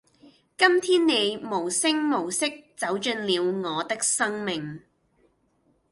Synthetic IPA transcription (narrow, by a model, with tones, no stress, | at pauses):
kɐ˥mt̪ʰiː˥nːe˨˧jmo˨˩wsɪ˥ŋmo˨˩wsɪ˥k̚t͡sɐ˨˥wt͡ʃɵ˧nliː˨˧wŋɔː˨˧t̪ɪ˥k̚sɐ˥ŋmɪ˨ŋ